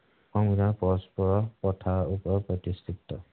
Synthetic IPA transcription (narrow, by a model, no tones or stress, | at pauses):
xɔŋɡdapɔspɔɹɔpɔtʰaupɔɹpɹɔt̪ist̪ʰit̪ːɔ